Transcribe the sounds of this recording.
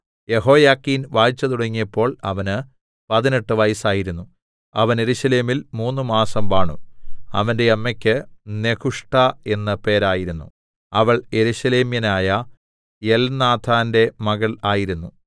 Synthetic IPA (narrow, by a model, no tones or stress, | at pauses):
je̞ɦo̞ːjaːkːinʋaːjit͡ɕːɐt̪uɽɐŋːijɐpːo̞ːɭɐ̰ʋɐnɨ | pɐðineʈːɨʋɐjsaːjiɾunːu | ɐʋɐne̞ɾuɕɐle̞ːmilmuːnːɨmaːsɐmʋaːɳṵɐ̰ʋɐnde̞ɐmːɐkʲːɨne̞kuʂʈae̞nːɐpe̞ːɾaːjiɾunːṵ | ɐʋɐɭje̞ɾuɕɐle̞ːmjɐnaːjɐ | jelnaːt̪ʰaːnde̞mɐɣɐɭaːjiɾunːu